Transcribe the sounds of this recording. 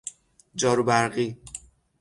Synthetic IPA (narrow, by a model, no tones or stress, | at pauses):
d͡ʒɒːɾubæɾɢiː